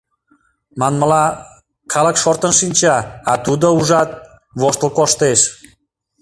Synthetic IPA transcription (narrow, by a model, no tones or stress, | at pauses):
mɑnməlɑ | kʰɑləkʃort̪ənʃinʲt͡ɕɑːt̪ud̪əuʒɑt̪̚ | βoʃt̪əlˠkoʃt̪eʃ